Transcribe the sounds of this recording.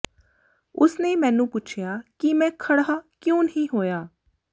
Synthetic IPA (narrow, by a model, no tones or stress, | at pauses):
ʊsnemɛ̃ːnũːpʊt͡ʃʰjaːkimɛ̃ːkʰɐɽaːkjõːnəɦĩːɦoːjaː